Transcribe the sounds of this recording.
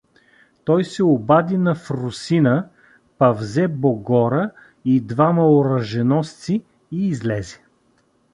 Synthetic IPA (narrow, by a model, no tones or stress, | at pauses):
t̪ɔjsɛobad̪inɐfɾʊsinə | pɐvzɛboɡɔɾə | id̪vamɐoɾəʒɛnɔst̪si | iːzlɛzɛ̥